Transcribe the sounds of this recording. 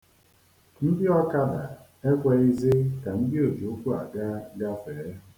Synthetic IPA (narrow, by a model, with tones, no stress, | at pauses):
n̩˦dɪ˦ɔ˦ka˦da˨ | e˦kʷe˦i˦zɪ˦ka˨n̩˦dɪ˦o˨d͡ʒi˨o˦kʷu˦a˨ɡa˦ɡa˦feː˨˦